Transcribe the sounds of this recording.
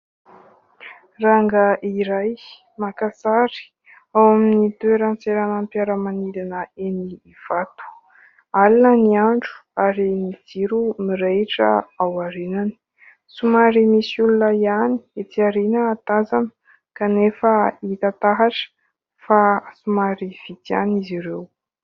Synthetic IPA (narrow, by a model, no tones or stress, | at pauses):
raŋɡəʔiɾaj | makasaɾi̥ | awaminit̪weɾant͡seɾanəmpjaɾəmanilinəeniːv̥at̪u̥ | alinəniaɳɖ͡ʐu̥aɾimid͡ziɾumiɾeʈ͡ʂə̰awaɾenani̥ | sumaɾimisulunaiani̥et̪iaɾinəːt̪azanə̥ | kanefəit̪at̪aɦaʈ͡ʂə̥ | fasumaɾiv̥it̪ianiziɾew